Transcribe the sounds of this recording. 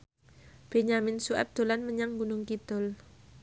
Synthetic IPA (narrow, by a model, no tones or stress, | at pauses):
b̥eɲamɪnsuɛ̰p̚d̪̥o̤lanməɲaŋɡunʊŋkit̪ʊl